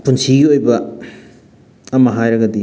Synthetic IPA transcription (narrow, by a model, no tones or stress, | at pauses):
punsiɡiojbɐ | ɐmɐɦajɾɐɡɐdi